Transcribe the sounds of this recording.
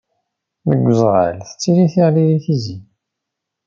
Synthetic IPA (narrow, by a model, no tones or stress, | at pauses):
ðəɡʷːəzˤʁə̰lθə̥t͡sːiɾiθiʁliliθizi